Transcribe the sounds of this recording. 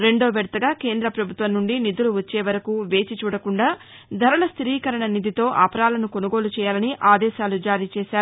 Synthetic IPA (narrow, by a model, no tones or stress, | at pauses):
ɾe̞ɳɖo̞ːʋɛɽt̪ɐɡaːke̞ːnd̪ɾɐpɾɐbʱut̪ʋɐnːuɳɖinid̪uluʋɐt͡ʃːeːʋɐɾɐkuʋe̞ːt͡ʃit͡ʃuːɽɐkuɳɖaː | d̪ʱɐɾɐɭɐst̪ɾiːkɐɾɐɳɐnid̪ʱit̪o̞ːʔɐpɐɾaːlɐnuko̞nuɡo̞ːlut͡ʃɛːjaːlɐniʔaːd̪ɛːʃaːlud͡ʒaːɾiːt͡ʃɛːʃaːɾu